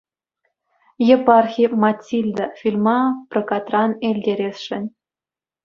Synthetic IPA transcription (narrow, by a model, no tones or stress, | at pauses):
jĕpɑrxʲimɑtʲːilʲd̪ɤ̆fʲilʲmɑprɤ̆kɑt̪rɑnelʲdʲeɾʲesʂɘ̆nʲ